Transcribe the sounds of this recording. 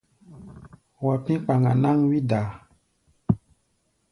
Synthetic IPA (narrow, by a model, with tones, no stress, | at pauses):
wa˨pĩ˦k͡pa˨ŋa˨na˦ŋwi˦da˨